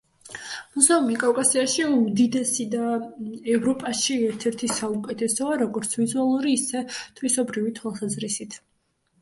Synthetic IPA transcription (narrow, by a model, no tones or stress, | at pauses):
muzaumikʼavkʼasiaʃiumd̪id̪ɛsid̪aɛvɾɔpʼaʃiɛɾt̪ʰɛɾt̪ʰisaukʼɛt̪ʰɛsɔaɾɔɡɔɾt̪sʰvizualˠuɾiːsɛt̪ʰvisɔbɾivit̪ʰwalˠsazɾisit̪ʰ